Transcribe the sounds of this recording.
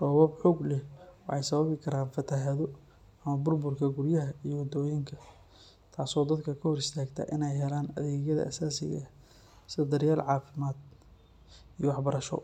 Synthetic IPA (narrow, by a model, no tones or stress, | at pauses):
rɔːβɐbħɔːɡlɛwɑħɑjsɐβɐβɪkʰɐɾaːnfɐt̪ʰɐɦɐðɔ | ɐmɐbʊrbʊrkʰɐɡʊrjɐɦɐijɔwɐd̪ɔːjɪŋkʰɐ | t̪ʰaːsɔːd̪ɐd̪kʰɐkʰɐhɔɾɪst̪ʰaːɡt̪ʰɐ̰ʔɪnɛjɦɛlaːnɐ̰ðɛːɣjɐðɐ̰ʔɐsaːsɪɣɐ̰ | sɪd̪ɐrjaːlʕɑːfɪmaːd̪̚ | ijɔwɑħbɐɾɐʃɔ̰